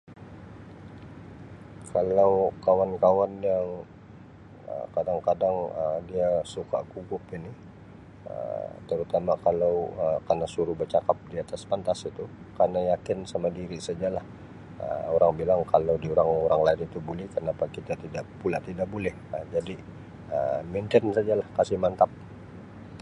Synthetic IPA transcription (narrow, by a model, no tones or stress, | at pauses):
kʰalawkawankawanjaŋ | ə̰kadaŋkadaŋədiasuka̰ʔkuɡʊpinɪ | ə̰t̪əɾut̪amakalawəkarnasuɾubərt͡ʃakap̚diat̪aspant̪asit̪u | karnajakɪnsamadiɾisad͡ʒalah | ə̰oɾaŋbilaŋkalawdioɾaŋoɾaŋlaɪnit̪ubulɛhkənapakit̪at̪idaʔpulaʔt̪idaʔ̚bolɛhəd͡ʒadi | əment̪ənsad͡ʒalahkasɪhmant̪ap̚